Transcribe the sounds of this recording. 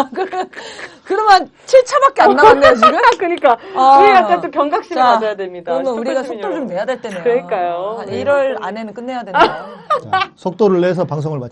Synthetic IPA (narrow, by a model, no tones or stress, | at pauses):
kɯ | kɯɾʌmjʌnt͡ɕʰiɭt͡ɕʰabak͈̚eaːanːoɡɯkɯɲik͈auɾiɡat͡ɕ͈at͈opjʌŋɡak̚ɕ͈imekad͡ʑʌjadwemɲidanuɾiɡasʰoɲt͈od͡ʑomːejadweɭt͈enkɯɾʌik͈ajoiɾʌɭa̰nenɯnk͈ɯnːe̞jadwen | sʰok̚t͈oɾɯɭːes̬ʰʌpaŋs̬ʰoŋɯɭmat͡ɕ